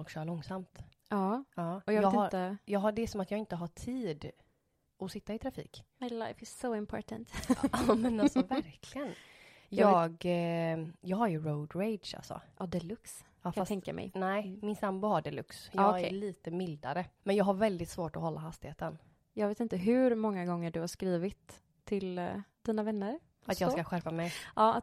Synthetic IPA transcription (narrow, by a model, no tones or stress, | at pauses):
ɔlkɕœːɭɔŋːsamt̪ | ɑːɑːɔjeːɡ̪ɪɾt̪əjɑːɡɦaɖɛæʂɔmat̪jɑːɡɪnt̪əɦaʈʰiːd̪ | ɔsɪt̪ːaɪt̪ʰɾafḭːkmajla̰ɪfɪz̥soʊɪ̃mpʰɔ̰ːʈənt̪ɑmɛnasɔvæɾkʰlɪɡən | jɑːɡ | jɑːɡhaɾjɵɾoʊd̪ɾeɪd̪ʂa̰lsɔ̰ʔɑd̪ɛlɵks | ɑfat̪ʰɛŋkkːa̰mʔɛ̰jnɛɪmɪnsambʊhaɖɛlɵ̰ksjɑːɡʰæeɭiːt̪əmɪld̪a̰ɾəmɛnjɑːɡhaɾvɛld̪ɪt̪svoːʈɔɦɔlːaɦast̪ɪheːt̪ən | jɑːɡveːt̪ɪnt̪əɦʉɾmɔŋːaɡɔŋːəɖɵhaʂkɾiːvɪt̪ʰː | ɪld̪̥iːnavɛnːəɾ | at̪jɑːskaɧæɾpamɛjʔɑːat̪